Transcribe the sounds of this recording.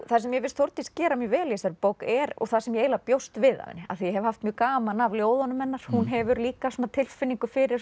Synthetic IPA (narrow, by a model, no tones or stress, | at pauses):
θasɛmjɛvɪlst̪θowɾt̪iscɛːɾamjʏvɛːljɛsaɾpowkɛɾɔ̰θasɛmjɛeːjlapjowst̪vɪða̰vɪ̰nːɪa̰θijɛɦɛvhaft̪mjœːkaːmanavljoːwðɔnʏmɛnːaɾ̥hunɦɛvʏɾliːkasoːnat̪ʰɪlfɪnːiŋkʏfɪɾɪɾ